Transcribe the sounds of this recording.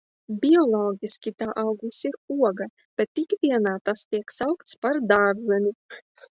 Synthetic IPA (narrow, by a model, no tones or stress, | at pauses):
bʲiɔlˠɔːɡʲiskʲit̪aːʔawɡusiɾuɔɡa | b̥ɛt̪ːikd̪ʲiɛnaːt̪ast̪iɛksawkt̪spaɾd̪aːɾzɛnʲi